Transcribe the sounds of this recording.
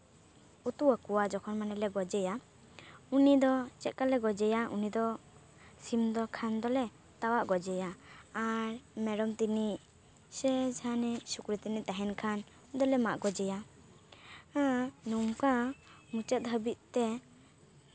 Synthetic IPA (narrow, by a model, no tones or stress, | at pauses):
ut̪uakuwad͡ʒɔkʰɔnmanɛlɛɡɔd͡ʒɛja | unid̪ɔt͡ʃɛt̪̚kalɛɡɔd͡ʒɛjaʔṵnid̪ɔ | simd̪ɔkʰand̪ɔlɛ | t̪awaʔɡɔd͡ʒɛjaaɾmɛɾɔmt̪iniʔ | sɛd͡ʒʰʱanɛsukɾit̪iniʔt̪aɦɛnkʰan | d̪ɔlɛmaʔɡɔd͡ʒɛja | ãnumka | mut͡ʃət̪̚ɦəbit̪̚t̪ɛ